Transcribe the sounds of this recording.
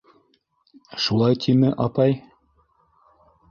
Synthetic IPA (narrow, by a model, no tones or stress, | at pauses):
ʃulˠɑjt̪ʰimɘʔɑpɑj